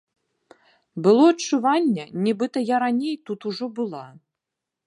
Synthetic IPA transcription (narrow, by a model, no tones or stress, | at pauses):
bɨlˠɔɐt͡ʂːuvanʲːɐnʲɛbɨt̪ɐjaɾanʲejt̪ut̪uʐɔbɨlˠa